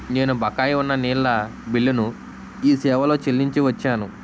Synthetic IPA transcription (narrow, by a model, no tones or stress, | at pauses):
ne̞ːnubʱɐkaːjiunːɐniːlːɐ | bilːunu | iːsɛːʋɐlo̞ːt͡ʃelːiɲt͡ʃiʋɐt͡ʃːaːnu